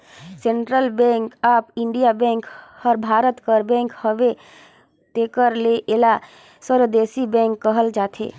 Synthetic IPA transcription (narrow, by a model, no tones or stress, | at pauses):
sẽɳʈɾəlbɛ̃ŋkaːpɪɳɖijabɛ̃ːŋkhəɾbʱaːɾət̪kəɾbɛ̃ŋkhəʋe | t̪ekəɾleʔela | swəɾʋd̪eːsibɛ̃ŋkːəɦəld͡ʒaːt̪ʰḛː